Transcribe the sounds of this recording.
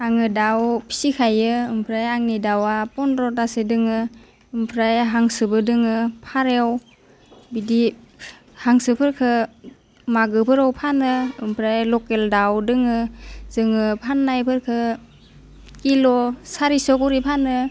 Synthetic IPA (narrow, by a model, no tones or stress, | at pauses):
aŋɯdawpʰi̥sikʰajɯɯmpʰɾajaŋnidawapɔnɾɔtasedɯŋɯ | ɯmpʰɾajɦaŋsɯbɯdɯŋɯpʰaɾew | bidi | haŋsɯpʰɯɾkʰɯ | maɡɯpʰɯɾawpʰanɯɯmpʰɾajlɔkeldawdɯŋɯzɯŋɯpʰanːajpʰɯɾkʰɯ | kilɔsaɾisɔkuɾipʰanɯ